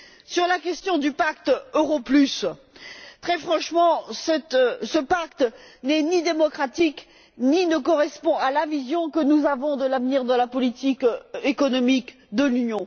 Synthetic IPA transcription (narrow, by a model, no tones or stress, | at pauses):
syʁlakʲɛst̪jɔ̃d̪ypakt̪øʁoplys | t̪χɛfχɑ̃ʃmɑ̃sɛt̪səpakt̪nɛnid̪emɔkχat̪ik | ninəkɔʁɛspɔ̃alavizjɔ̃kənuzavɔ̃d̪əlavniʁd̪əlapɔlit̪ikekɔnɔmik | d̪əlynjɔ̃